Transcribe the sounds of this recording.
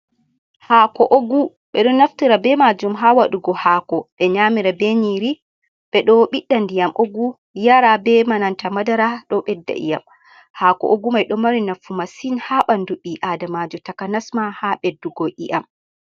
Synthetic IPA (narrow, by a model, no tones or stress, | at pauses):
hakɔʔoɡu | ɓɛɗɔnaftiɾabɛmad͡ʒumɦawaɗuɡɔhakɔɓɛɲamiɾabɛɲiɾi | ɓ̥ɛɗɔɓiɗːandijamʔoɡu | jaɾabɛmanantamadaɾaɗɔɓɛdːa̰ʔḭja̰m | hakɔ̰ʔoɡumajɗɔmaɾinafumasinhaɓanduɓiʔadamad͡ʒɔtakanasmahaɓɛdːuɡojʔḭʔam